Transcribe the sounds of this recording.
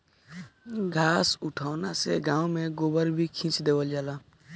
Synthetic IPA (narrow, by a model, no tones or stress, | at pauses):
ɡʱaːsʊʈʰaːʊnasḛɡãːũmẽɡobəɾbʱikʰĩːt͡ʃd̪eːwəld͡ʒaːlaː